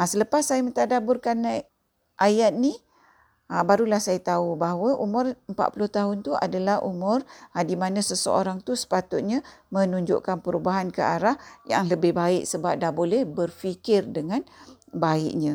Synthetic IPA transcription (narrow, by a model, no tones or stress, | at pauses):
asələpasːajamənt̪adabʊrkan | ʔajat̪̚ni | abaɾulahsajat̪aubaɦwəʔumʊ̃rəmpa̰ʔ̪pulʊht̪aɦʊnt̪uʔa̰dalahʔṵmʊradimanãsəsə̰o̰ɾaŋt̪usə̥pat̪ʊt̪̚ɲamə̃nuɲd͡ʒʊ̰ʔkanpəɾubaɦankəʔaɾahja̰ŋləbɪhbaɪk̚səbap̚dabolɛhbərfikɪrdəŋanbaɪ̰ʔɲã